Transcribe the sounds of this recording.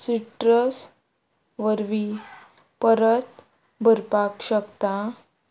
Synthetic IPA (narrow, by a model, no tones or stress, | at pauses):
siʈɾəs | ʋəɾʋi | pəɾət̪ | bʱəɾpakɕəkt̪a